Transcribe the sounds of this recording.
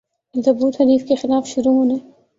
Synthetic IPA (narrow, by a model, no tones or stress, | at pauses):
ɪld̪ɐbuːt̪hɐɾiːfkexɪlaːfʃʊɾuɦõne